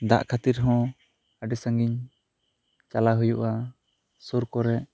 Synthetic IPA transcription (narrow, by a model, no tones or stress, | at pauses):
d̪a̰ʔkʰat̪iɾɦɔ̃ | aɖɛsãŋɡiɲ | t͡ʃalaɦujuʔa | suɾkɔɾɛʔ